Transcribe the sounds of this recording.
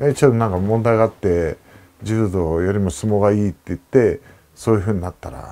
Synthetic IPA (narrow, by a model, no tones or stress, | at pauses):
et͡ɕod̪onãŋkamõ̞nd̪aiɡaːt̪ːe̞ | d͡ʑɨd̪o̞jo̞ɾʲimosɨmoɡaiːt̪ːe̞ɯt̪ːe̞ | so̞ːjɯ̟ɸɯ̟ːɲ̟inat̪ːa̰ɾa̰